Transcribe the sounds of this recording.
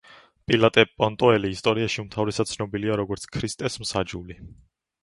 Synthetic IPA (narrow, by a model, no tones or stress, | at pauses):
pʼilat̪ʼɛpʼɔnt̪ʼɔɛliːst̪ʼɔɾiaʃiumt̪ʰavɾɛsadt̪sʰnɔbiliaɾɔɡɔɾt̪sʰkʰɾist̪ʼɛsmsad͡ʒuli